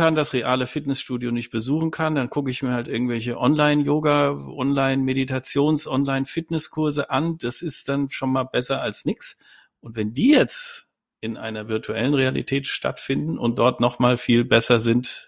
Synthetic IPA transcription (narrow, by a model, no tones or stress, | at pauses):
andasʁeʔaːləfɪtnɛsʃtuːdjonɪçt̚b̥əzuːχn̩kʰandankʰʊkəɪçmiːɐhaltʔɪɐɡŋ̩tvɛlçəʔɔnlaɪnjoːɡaʔɔnlaɪnmeditʰat͡sjoːnsʔɔnlaɪnfɪtnɛskʰʊɐzəʔand̥asɪst̚d̥anʃonmaːlbɛsɐalsnɪks | ʔʊntv̥ɛndiːjɛt͡st | ʔɪnʔa̰ɪnɐvɪɐtʰuʔɛ̰lənʁealḭtʰɛːtʃtʰa̰tfɪndn̩ʔʊ̰nt̚d̥ɔɐtnɔχmaːlfiːlbɛsɐzɪnt